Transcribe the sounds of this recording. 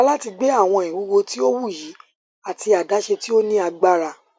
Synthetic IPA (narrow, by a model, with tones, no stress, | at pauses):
a˧˦la˦ti˧ɡ͡be˦a˦˨w̃ɔ̃˧ĩ˨wu˨˦ɡo˧ti˦o˦wu˦˨ji˨˦ | a˨ti˧a˨da˨˦ʃe˧ti˦o˦nĩ˦a˧ɡ͡ba˦ɾa˧